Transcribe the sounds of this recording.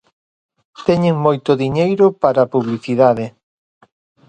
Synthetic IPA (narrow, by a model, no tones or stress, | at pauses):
t̪ɛɲeŋmojt̪ʊðiɲejɾʊpaɾapuβliθiðaðɪ